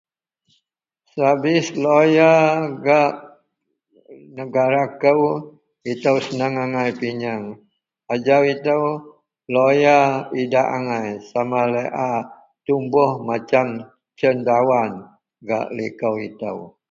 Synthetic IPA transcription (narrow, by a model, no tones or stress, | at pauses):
sabɪslojaɡaʔ | nəɡaɾakəw | it̪əwsənəŋaŋajpiɲaŋ | ad͡ʒawit̪əw | lojaidaʔaŋajsamaləʔa | t̪umbʊhmat͡ʃam | t͡ʃəndawan | ɡa̰ʔlikəwḭt̪ə̰w